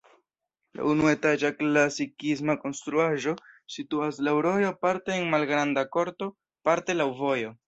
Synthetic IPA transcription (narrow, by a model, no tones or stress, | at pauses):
la̰unue̞tad͡ʒaklasikis̬mako̞nst̪ɾuaʒo̞situaslawɾo̞jo̞paɾte̞ːnmalɡɾandako̞ɾto̞ | paɾte̞lawvo̞jo̞